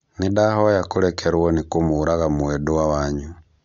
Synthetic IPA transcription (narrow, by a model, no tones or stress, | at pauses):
nidahɔjakuɾɛkʰeɾwɔnikumuːɾaɣamuwɛduwawaɲu